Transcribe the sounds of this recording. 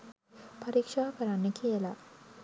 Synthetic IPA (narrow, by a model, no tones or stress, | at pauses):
pɐɾikʂaːkɐɾanːəkʰijəla